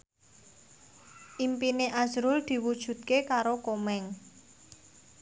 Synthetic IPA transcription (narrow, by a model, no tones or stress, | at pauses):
ʔimpineʔazɾʊld̪̥i̤wud̥ʒ̥ṳt̪̚kekaɾokomɛŋ